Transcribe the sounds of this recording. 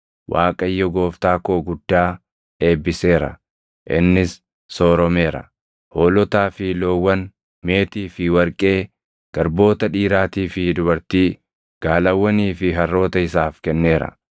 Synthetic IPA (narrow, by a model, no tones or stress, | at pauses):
wʔaːkʼɐjːɔɡo̞ːft̪aːkoːɡʊd̪ːaː | e̞ːbːɪse̞ːɾɐ̰ | ʔɪ̰nːɪsː | oːɾɔme̞ːɾɐ̰ | hoːlɔt̪aːfɪloːwːɐn | me̞ːt̪iːfɪwɐɾkʼe̞ː | ɡ̥ɐɾbo̞ːt̪ɐᶑiːɾaːt̪iːfɪd̪ʊbɐɾt̪iː | ɡ̥aːlɐwːɐniːfɪɦɐrːo̞ːt̪ɐɪsaːfkɛnːe̞ːɾɐ̰